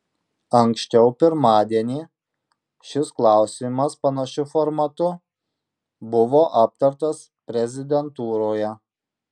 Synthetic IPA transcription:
ɐŋʲksʲt͡ʃʲɛʊpʲɪɾmɑːd̪ʲiɛnʲiː | ʃʲɪsklˠɑˑʊsʲimɐspɐnɐʃʲʊfɔɾmɐt̪ʊ | bʊʋoːʔɐp̚t̪ɐɾt̪ɐs | pʲɾʲɛzʲɪd̪ʲɛnt̪uːɾoːjɛ

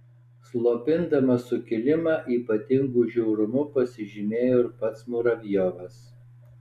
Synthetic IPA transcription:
slˠoːpʲɪnd̪ɐmɐsʊkʲɪlʲɪmɑːʔiːpɐt̪ʲɪŋɡuʒʲɛʊɾʊmʊpɐsʲɪʒʲɪmʲeːjoːɪɾpɐt̪smʊːɾɐʋʲjoːʋɐs

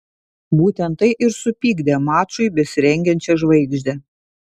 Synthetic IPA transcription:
buːt̪ʲɛnt̪ːɐɪʔɪɾsʊpʲiːɡd̪ʲemɑːt͡ʃʊɪbʲɛsʲɪɾʲɛŋʲɡʲɛnʲt͡ʃʲɛʒʋɐɪɡʒʲd̪ʲɛ

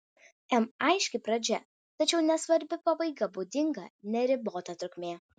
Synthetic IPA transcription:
ɛmɐɪʃʲkʲɪpɾɐd͡ʒʲɛ | t̪ɐt͡ʃʲɛʊnʲɛsʋɐɾʲbʲɪpɐbɐɪɡɐbuːd̪ʲɪŋɡɐ̰nʲɛɾʲɪboːt̪ɐt̪ɾʊkʲmʲeː

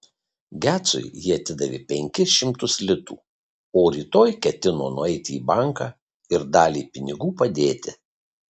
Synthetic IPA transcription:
ɡʲæːt̪sʊ̰jjiɛɐt̪ʲɪd̪ɐʋʲḭːpʲɛŋʲkʲɪsʃʲɪmt̪ʊslʲɪt̪ṵː | oːɾʲiːt̪oːjkʲɛt̪ʲɪno̰ːnʊɛɪt̪ʲɪiːbɑˑŋkɑː | ɪɾd̪ɑːlʲiːpʲɪnʲɪɡuːpɐd̪ʲeːt̪ʲɪ

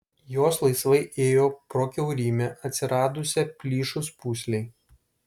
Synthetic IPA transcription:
joːslˠɐɪsʋɐɪʔeːjoːpɾoːkʲɛʊɾʲiːmʲɛʔɐt̪ʲsʲɪɾɑːd̪ʊsʲɛpʲlʲiːʃʊspuːsʲlʲɛɪ

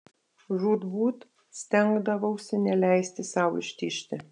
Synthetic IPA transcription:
ʒuːd̪buːt̪ | sʲt̪ʲɛŋɡd̪ɐʋɐʊsʲɪnʲɛlʲæɪsʲt̪ʲɪsɑʊɪ̰ʃʲt̪ʲiʃʲt̪ʲɪ

